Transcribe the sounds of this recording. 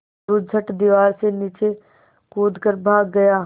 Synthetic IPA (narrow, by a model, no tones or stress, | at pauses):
ud͡ʒʱəʈd̪iʋaːɾseniːt͡ʃe | koːd̪ʱkəɾbʱaːɡːɐjaː